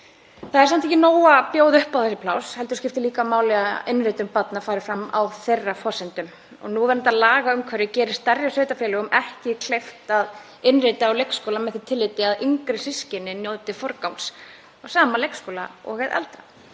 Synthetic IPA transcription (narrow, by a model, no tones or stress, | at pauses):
θaðɛɾsamt̪ʰɛcɪnoːwapjoːwðʏhpawθɛsɪpʰlawshɛlt̪ʏ̥scɪft̪ɪliːkamaːwlɛɣaɪnɾɪt̪ʏmpat̪nafaːɾɪfɾamːa̰wθejrːafɔsɛnt̪ʏm | ɔ̰ɣnuvɛɾʏnt̪aðlaːɣaʏmkʰvɛɾɪcɛːɾɪst̪arjasœːɥt̪afjɛlʏɣʏmʔɛhcɪkʰl̥ejft̪að | ɪnrɪt̪ɪawlejkskowlamɛðθit̪ʰɪlːɪːt̪ɪaðiŋkɾɪsɪscɪnɪnjoːwt̪ɪfɔɾkawns | awsaːmalejkskowlaɔ̰ːɣɛðɛ̰lt̪ɾa